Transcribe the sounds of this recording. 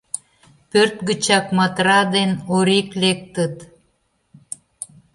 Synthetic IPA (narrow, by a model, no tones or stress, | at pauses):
pørt̪̚ɡət͡ɕɑk̚mɑt̪ɾɑd̪enoɾiklek̚t̪ət̪